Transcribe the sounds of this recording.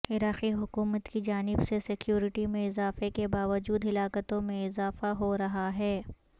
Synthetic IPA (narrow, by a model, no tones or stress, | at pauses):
ɪɾaːxiɦʊkuːmət̪kid͡ʒaːnɪbsesɪkjuːɾɪʈimẽɪzaːfekebaːʋəd͡ʒuːd̪ɦɪlaːkət̪õmẽɪzaːfaɦoɾɐɦaɦɛː